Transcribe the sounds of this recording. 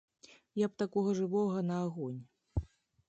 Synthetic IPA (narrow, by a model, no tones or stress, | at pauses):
jɐp̚t̪akɔɣɐʐɨvɔɣɐnɐːɣɔnʲ